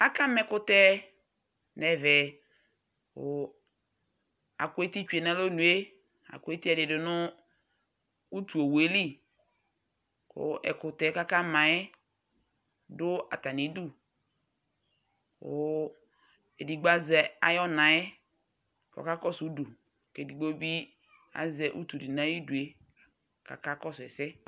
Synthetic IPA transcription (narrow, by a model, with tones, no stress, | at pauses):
ka˦ka˦mɛ˨kʊ˦tɛ˦ | nɛ˨vɛ˨ | kʊ˨ | a̰˨kʊ˦e˦ti˦t͡ʃe˨na˦lo˦nu˨e˦ | a̰˨kʷe˦ti˦ɛ˦˨dɪ˨dʊ˨nʊ˦ | u˦tu˨o˨we˨˦li˦ | kʊ̰˨ʔɛ̰˨kʊ˨tɛ˨˦ka˦ka˦mã˨ɛ˦ | dʊ˦a̰˨ta˨ni˨˦du˦ | kʊ̰˨˦ | e˨di˨ɡ͡ba˦zɛ˨a̰˨jɔ˦nã˨ɛ˦ | kɔ̰˨ka˦kɔ˦su˨˦du˨ | ke˨di˨ɡ͡bo˦bi˦ | a̰˨zɛ˨ʔṵ˦tu˨di˨nã˦ji˦du˨e˦ | ka˨ka˦kɔ˦sɛ˨sɪ˦